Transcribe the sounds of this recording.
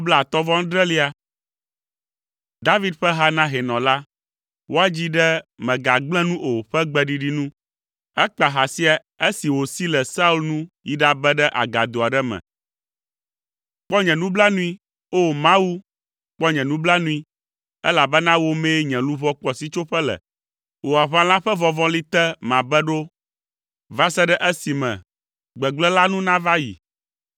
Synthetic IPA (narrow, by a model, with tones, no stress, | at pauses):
o˦bla˦a˨t̪ɔ˦vɔ˦ŋ̩˦ɖɾɛ˦li˦a˨ | d̪a˦vi˦d̪ɸɛ˦ɦa˦nã˦ɦɛ˨nɔ̃˨la˦ | wo˦a˦d͡ʑi˦ɖɛ˦mɛ̃˨ɡa˨ɡ͡blɛ̃˦nũ˦ʔo˨ɸɛ˦ɡ͡bɛ˦ɖi˨ɖi˦nũ˦ | ɛ˦k͡pa˨ɦa˨si˦a˨ | e˦si˨wo˨si˦lɛ˨sa˦u˦lnũ˦ji˦ɖa˨bɛ˦ɖɛ˦ʔa̰˨ɡa˨d̪o˨a˨ɖɛ˦mɛ̰̃˨ | k͡pɔ˦ɲɛ̃˨nũ˦bla˦nũ˦i˦ | o˦mã˦wu˦ | k͡pɔ˦ɲɛ̃˨nũ˦bla˦nũ˦i˦ | ɛ˦la˨bɛ˦nã˦wo˦me˦ɲɛ̃˨lũ˦vɔ˦k͡pɔ˦si˦t͡ʃo˦ɸɛ˦lɛ̰˨ | wo˨a˨βã˦lã˦ɸɛ˦vɔ˨vɔ̃˦li˦t̪ɛ˦mã˨bɛ˦ɖo˦ | va˦sɛ˦ɖɛ˦ʔe˦si˨mɛ̰̃˨ | ɡ͡bɛ˨ɡ͡blɛ˦la˦nũ˦nã˦va˦jḭ˨